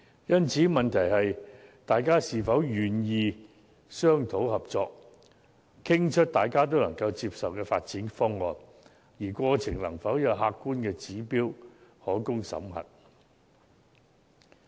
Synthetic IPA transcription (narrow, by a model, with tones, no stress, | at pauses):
jɐ˥nt͡sʰiː˨˥mɐ˨nt̪ʰɐ˨˩jhɐ˨jt̪aː˨jkaː˥siː˨˩fɐ˨˥wjyː˨njiː˨˧ | sœː˥ŋt̪ʰo˨˥whɐ˨p̚t͡sɔː˧k̚ | kʰɪ˥ŋt͡ʃʰɵ˥t̚t̪aː˨jkaː˥t̪̬o˥wlɐ˨˩ŋkɐ˧wt͡siː˧p̚sɐ˨wkɛː˧fa̰ː˧t̚t͡siː˨˥nfɔː˥ŋɔː˨n | jiː˨˩kʷɔː˧t͡sʰɪ˨˩ŋlɐ˨˩ŋfɐ˨˥wjɐ˨˧wɦaː˧kːuː˥nkɛː˧t͡siː˨˥piː˥whɔː˨˥kʊ˥ŋsɐ̰˨˥mɦɐ̰˨t̚